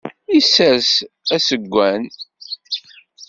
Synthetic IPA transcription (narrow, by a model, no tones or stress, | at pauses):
isæsæsəɡʷːæn